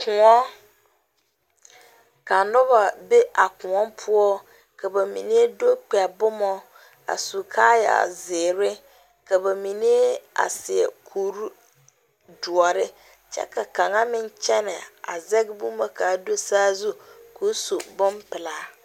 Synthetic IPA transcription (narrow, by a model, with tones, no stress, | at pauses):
kʰʊ̃˨ɔ˦ | kʰa˨nʊ˦ba˨be˦ʔa˨kʊ̃˨ɔ˦mpʰʊ˦ɔ˦ | kʰɛ˨ba˨mḭ̃˨nĩ˦e˦do˦k͡pɛ˨a˨bʊ˦mɔ̃˦ | a̰˨su˨kʰa˦ja̰˨a̰˨zɪː˨ɾɪ˦ | kʰa˨ba˨mĩ˨nĩ˦e˦a̰˨sɪ˨ɛ̰˨kʰuː˨ɾu˦ | du˨ɔ˨ɾɪ˦ | t͡ɕʰɛ̰˦kʰa˨kʰã˨ŋã˦mɪ̃˦ɲ˦t͡ɕʰɛ˦nɪ̃˨a˨zɛ˦ɡbũ˦ma˦kʰaː˨˦do˦saː˦zu˦kʰo˨˦su˨bʊ̃˦mpɪ˨laː˦